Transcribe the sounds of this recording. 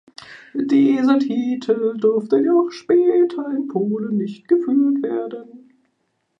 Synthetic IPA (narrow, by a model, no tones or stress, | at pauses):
d̥iːzɐtʰiːtʰl̩dʏɐftəjaaxʃpɛːtʰɐɪnpʰoːlənːɪçt̚ɡ̥əfyːtv̥eːɐdən